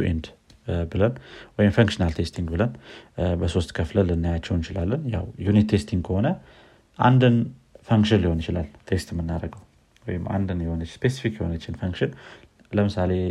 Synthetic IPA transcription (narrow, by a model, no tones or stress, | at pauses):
uʔḛnd̪bɨlənwɔjɪmfəŋkʃɨnalt̪ʰe̞st̪ʰiŋɡbɨlənbəso̞st̪kʰəfləlɨnːajat͡ʃːɛwnjt͡ʃɪlalːənja̰wjunit̪ʰːe̞st̪ʰiŋɡkʰəho̞nə | ʔa̰nd̪ɨnfəŋkʃɨnliho̞nɪt͡ʃɪlalt̪ʰe̞st̪ɨmːɨnːaɾəɡəw | wɔ̰jɪmːʔa̰nd̪ɨnjɛho̞nəspʰe̞si̥fikːjɛho̞nət͡ʃːɪnfəŋkʃɨn | ləmɨsale̞